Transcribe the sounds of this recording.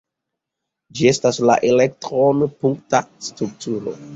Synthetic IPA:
d͡ʒie̞stasla̰ʔelek̚tɾonpuŋktastɾuktuɾo̞̰

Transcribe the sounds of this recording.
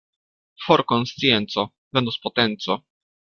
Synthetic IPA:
foɾkonst̪t͡sijent̪so | vɛnd̪uspot̪ɛnt̪so

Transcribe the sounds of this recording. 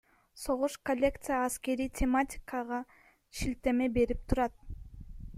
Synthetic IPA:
so̞ʁuʃkolʲːe̞kt̪sɨjaːske̞ɾijtʲʰematʲɪ̥kɑʁɑ | ʃilt̪e̞me̞be̞ɾip̚t̪ʰuɾɑt̪̚

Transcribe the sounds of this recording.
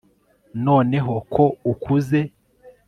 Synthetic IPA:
noːneɦokʰoukʰuze

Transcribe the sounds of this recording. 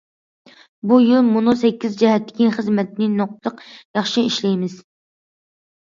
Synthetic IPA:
bujylmunusɛkʲːizd͡ʒɛɦɛt̪ʰːɪ̥kʲiχəzmɛt̪nɪnoq̚t̪lˠəqjɑχʃiiʃlɛjmɪz

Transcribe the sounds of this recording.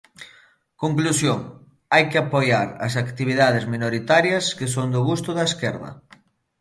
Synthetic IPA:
koŋklusjoŋ | ajkeapojaɾɐsakt̪iβ̞iðaðɪzminoɾit̪aɾjɐskesoŋd̪ʊɣust̪ʊðɐeskɛɾðɐ̰

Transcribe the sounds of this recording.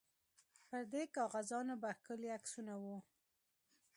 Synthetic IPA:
pəɾd̪ekɑɣazɑnobaxkəliaksunawu

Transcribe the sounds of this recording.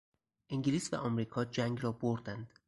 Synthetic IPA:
ʔiŋɡliːsvæ̰ʔɒmɾiːkʰɒːd͡ʒæŋɡrɒːboɾd̪ænd̪̥

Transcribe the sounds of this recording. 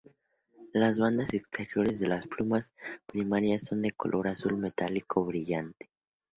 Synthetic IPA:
lazβand̪asekst̪ʰe̞ɾjo̞ɾe̞zðe̞lasplumaspɾimaɾjasːo̞nd̪e̞ko̞̰lʔo̞̰ɾasulme̞t̪alikʰo̞βɾiʝant̪e̥

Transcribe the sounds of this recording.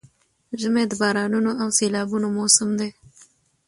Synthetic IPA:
ʒəmed̪əbɑːɾɑnunoʔawseːlɑːbunomosəmd̪e

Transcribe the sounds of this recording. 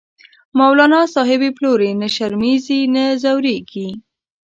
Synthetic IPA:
mawlɑnɑsɑɦɪbeploɾenəʃaɾmizinəzawɾeɡi

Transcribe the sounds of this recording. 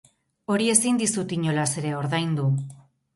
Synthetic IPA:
o̞ɾie̞sind̪isut̪iɲo̞lase̞ɾe̞o̞ɾðajnd̪u

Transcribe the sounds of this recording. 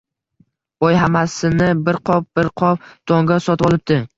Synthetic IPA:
b̥ɒjɦamasɪnɪbɪɾqʰɒp̚bɪɾqʰɒp̚t̪ʰɒŋɡʲasɒt̪ɪbɒlˠɪp̚t̪ɪ

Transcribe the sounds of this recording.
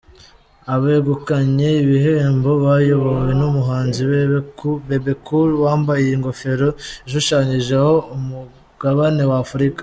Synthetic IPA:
aβeɡukaɲe̞iβihembo̞βajo̞βowwe̞numuɦaːnziβ | βebekulwaːmbajeiŋɡo̞fe̞ɾo̞iʃuʃaːɲiʒe̞ho̞umu | ɡ̥aβane̞waːfuɾikḁ

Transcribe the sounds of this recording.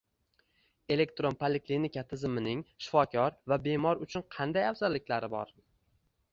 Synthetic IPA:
e̞le̞k̚t̪ɾonpʰoleklinɪkʲat̪ʰɪzɪmɪnɪŋʃɪ̥fɒkʲʰɒɾvabe̞mɒɾʊt͡ʃʰʊnqʰɑnd̪ajafzalːɪkʲlaɾɪbɒ̰ɾ

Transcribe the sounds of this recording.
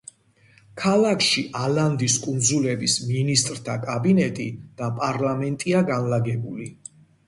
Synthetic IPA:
kʰalˠakʰʃiʔaland̪iskʼund̪zulɛbisminist̪ʼɾt̪ʰakʼabinɛt̪ʼid̪̥apʼaɾlamɛnt̪ʼiaɡanlaɡɛbuli

